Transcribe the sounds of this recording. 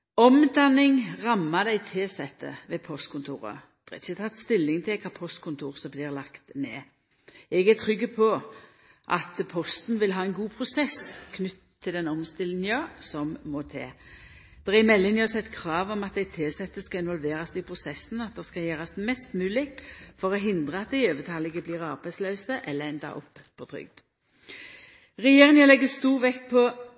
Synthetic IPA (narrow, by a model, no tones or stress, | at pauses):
ɔmd̪ɑnɪŋʁɑmːɑd̪æɪt̪ʰeːsɛt̪ːə̰ʋɛpʰɔst̪kʰʊnt̪ʰṵːɾə̰d̪̥ɛʁɛ̰ɪçət̪ʰɑt̪ːst̪ɪlːɪŋt̪ʰɪlkʰɑpʰɔst̪kʰʊnt̪ʰuːʁsɔbliːʁlɑkt̪neː | ɛɡæt̪ʰʁʏɡːəpʰɔ | ʔɑt̪pʰɔst̪n̩ʋɪlɦɑːɛnɡuːpʰɾʊsɛskʰnʏt̪ʰːɪlɛnɔmst̪ɪlɪnjøːsɔmːɔt̪ʰḛː | d̪̥ɛʁæɪmɛlːɪŋnəɔsɛt̪ːkʰʁɑːʋɔmɑt̪̚d̪æɪt̪ʰɪːsɛt̪ːəskɑɪnʋɔlʋeːɾɑsd̪ɪpʰʁʊsɛsn̩ɑt̪̚d̪ɛskɑjeːʁɑsmɛst̪mʉːlɪkfɔɾɔɦɪnd̪ʁəɑt̪̚d̪æɪøːʋət̪ʰɑːlɪɡəbliːʁɑʁbæɪslœːsəʔɛlːəɛnd̪ɑ̰ʔɔ̰pːpʰːɔt̪ʰʁʏ̰ɡ̚d̪̥ | ʁɛjeːʁɪŋəlɛɡːəst̪uːʁʋɛkːpʰɔ